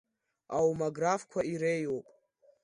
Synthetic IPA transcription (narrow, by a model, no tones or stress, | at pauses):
awmaɡrafkʷʰaiɾejwopʼ